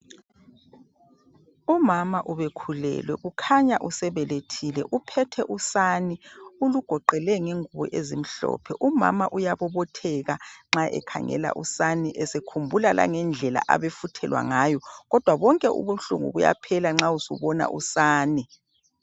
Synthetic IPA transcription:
umamaʔuβekʰulɛ̰lwɛɣukʰaɲaʔusɛβɛletʰilɛ̰ʔupʰɛtʰɛʔusaniuluɡ̥ʱɔǃɛlɛŋeŋuβɔʔezim̩ɬɔ̰ːpʰɛʔuma̰maʔujaβɔβɔtʰɛɣaŋ͡ǁaʔɛ̰kʰa̰ŋɛ̰la̰ʔusaniʔɛsekʰumbʱulala̰ŋɛnd͡ɮʱɛla̰ʔa̰βefutʰɛlwa̰ŋaːjɔɣɔd̥ʱwaβɔŋkʼɛʔṵβuɬṵŋṵβuja̰pʰɛlaŋ͡ǁausɔ̰βɔna̰ʔṵsaːni

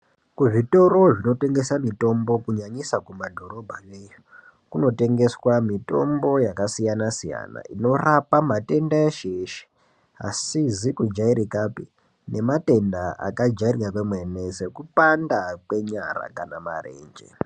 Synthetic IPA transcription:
kuʐito̞ɾo̞ʐino̞te̞ŋɡe̞samito̞mbo̞kuɲaɲisakumadʱo̞ɾo̞bʱajeju | kuno̞te̞ŋɡe̞swamito̞̰mbo̞jakasijanasija̰na̰ino̞rapamate̞ndaeʃeʃe̥ | a̰sizikud͡ʒaiɾikapi | ne̞mate̞ndaʔa̰kad͡ʒairirakemwe̞ne̞se̞kupandakwe̞ɲaɾa̰kanama̰re̞̰ːɲd͡ʒḛ

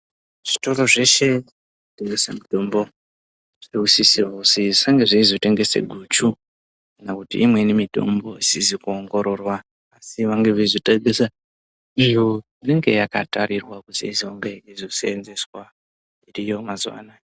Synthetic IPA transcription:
ʐ̥ito̞ro̞ʐe̞ʃe̞ | iteŋɡe̞samito̞mbo̞ | ʐ̥iiusisirosiʐisaŋɡe̞ʐiizote̞ŋɡe̞sḛɡʱut͡ʃu | kkanakutḭːmwe̞nimito̞̰mbo̞isizikuoŋɡo̞ɾo̞rwaː | siʋaŋɡeʐizoteɡʱesa | ʐijo | ine̞ŋɡe̞̰jakatarirwakuzḭizioŋɡeizoseːnze̞swa | irijo̞mazuwa̰ːna

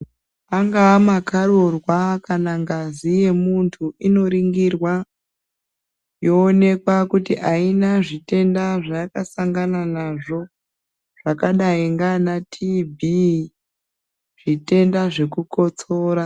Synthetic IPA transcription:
aŋɡaːmakaɾorwakanaŋɡazije̞muntʰuʔino̞ɾiŋɡirwa | jo̞ːne̞kwakutiʔainaʐite̞ndaʐajakasaŋɡananaʐo̞ | ʐ̥akaɗaiŋɡanatʰibʱi | ʐ̥ite̞ndaʐe̞kuko̞t͡so̞ːɾa

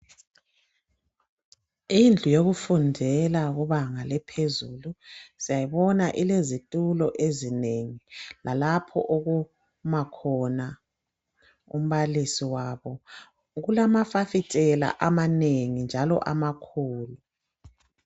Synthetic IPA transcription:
ind͡ɮʱujoɣufundʱɛlaɣuβaŋalɛpʰezuluz̥ijajiβɔnaʔilezitʼulɔʔezineŋilalapʰɔ̰ʔoɣu | makʰɔna | ṵm̩βalisiwaːβɔ | ɣulamafafitʼɛla̰ʔamaneŋind͡ʒʱalɔ̰ʔamakʰuːlu

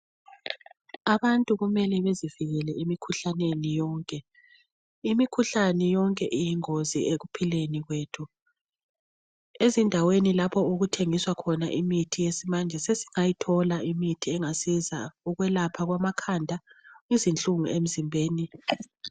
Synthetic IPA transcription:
aβantʼuɣumɛlɛβeziviɣɛlɛʔimikʰuɬanenijɔːŋkʼɛ | imikʰuɬanɛjɔŋkʼɛʔijiŋozḭeɣupʰileniɣweːtʰu | ezindʱawenilapʰɔuɣutʰeŋiswakʰɔnaʔimitʰijesimand͡ʒʱɛsesi̥ŋajitʰɔlaʔimitʰiɛŋasiza̰uɣwɛlapʰaɣwamakʰandʱaizint͡ɬʼuŋuʔem̩zimbʱeːni

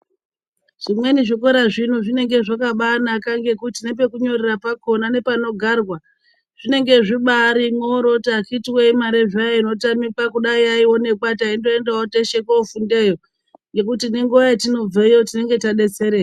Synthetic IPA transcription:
ʐ̥imwe̞niʐiko̞ɾaʐin̤uʐine̞ŋɡe̞ʐakaɓanakaŋɡe̞kutinep̬e̞kuɲo̞rerapako̞nane̞pano̞ɡʱaːrwa | ʐ̥ine̞ŋɡe̞ʐiɓaɾimwoɾo̞takitiweimaɾeʐajaino̞tamipakuɗaiaiwo̞ne̞kwataindo̞endawoteʃekoufunde̞jo̞ | ŋɡe̞kutineŋɡuʋajetino̞b͡veijotine̞ŋɡe̞taɗe̞t͡se̞ɾe̞ːj

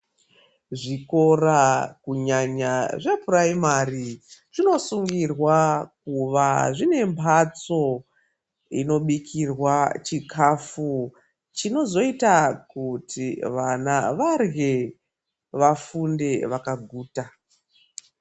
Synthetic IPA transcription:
ʐiko̞rakuɲaɲaʐe̞praimariʐino̞suŋɡirwakuʋaʐine̞mbʰʱat͡so̞ | ino̞ɓikʰirwat͡ʃikʰafu | t͡ʃino̞zo̞itakutʰiʋanaʋarɣe̞ | ʋafunde̞ʋakaɡʱuːta

